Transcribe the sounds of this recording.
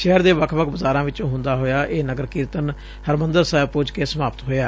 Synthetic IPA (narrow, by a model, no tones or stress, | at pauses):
ʃɛːəɾd̪eːʋəkʰʋəkʰbəzaːɾãːʋɪt͡ʃõːɦʊ̃nd̪aːɦoːjaːʔeːnəɡəɾkɪːɾt̪ən | həɾmənd̪əɾsɛːbpʊd͡ʒkeːsəmaːpət̪ɦoːjaː